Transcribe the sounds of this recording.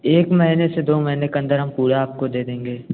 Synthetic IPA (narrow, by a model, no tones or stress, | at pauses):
eːkmɐɦinesed̪oːmɐɦinekeɐ̃nd̪əɾɦɐmpuːɽaaːp̚kod̪eːd̪ẽːŋɡeː